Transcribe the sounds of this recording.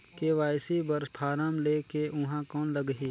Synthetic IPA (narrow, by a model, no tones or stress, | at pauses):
keʋaːjsibɐɾspʰaːɾaːmleːkeʔʊɦãkɔːnlɐɡɦi